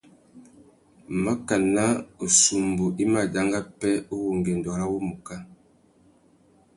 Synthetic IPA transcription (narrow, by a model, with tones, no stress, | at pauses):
ma˦ka˨na˦o˨su˨mbu˨ʔi˦ma˨d͡ʒa˦ŋɡa˦pɛ˦o˦wu˨ŋɡɛ˨ndɔ˨ɾa˦wo˦mu˨ka˦